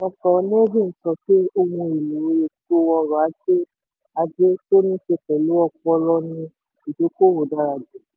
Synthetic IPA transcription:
ɔ̃˧kɔ˨˧˦nĩ˦d͡ʒĩ˦˨n̩˨˦tɔ˧ki˦o˧mũ˧i˨lu˨ɾo˧˦je˨to˦wɔ˧ɾɔ˨a˨˦d͡ʒe˦ | a˧d͡ʒe˦to˦nĩ˦ʃe˧kɛ˨lu˦ɔ˦˧k͡pɔ˧lɔ˦nĩ˧ | i˨do˨˦ko˦wo˨da˨˦ɾa˨d͡ʒe˨˦

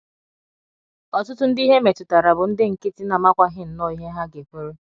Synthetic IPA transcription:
ɔ˨tʊ˦tʊ˦n̩˦di˦ɦe˦me˨tʊ˨ta˨ɾa˨bʊ˨n̩˦dɪ˦ŋ̩˨kɪ˦ti˦na˨ma˦kʷa˦ɦɪ˦n̩˨nɔ˦i˦ɦe˦ɦa˦ɡe˨kʷe˦ɾe˦

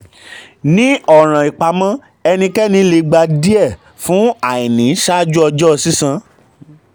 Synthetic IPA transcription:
nĩ˨˦ɔ˦˨ɾ̃ã˨i˨k͡pa˨mã˦ | ɛ˧nĩ˧kɛ˦nĩ˧˦le˧ɡ͡ba˧di˦ɛ˦˨ | fũ˦a˦˨i˨nĩ˨˦ʃa˦d͡ʒu˦ɔ˧d͡ʒɔ˦˧si˦sã˧

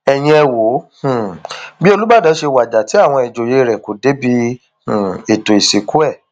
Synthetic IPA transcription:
ɛ˨j̃ĩ˧ɛ˧wo˨˦hũ˦˨bi˦o˧lu˦ba˦˨dɔ˨˦ʃe˧wa˨d͡ʒa˨ti˨˦a˦˨w̃ɔ̃˧ɛ˨d͡ʒo˨je˧ɾɛ˨ko˨de˨˦bi˧ | hũ˨e˨to˨i˨si˨ku˦ɛ˦˨

